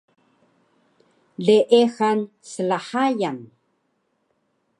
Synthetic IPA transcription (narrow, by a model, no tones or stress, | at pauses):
ɮeʔexan | səɮaħajan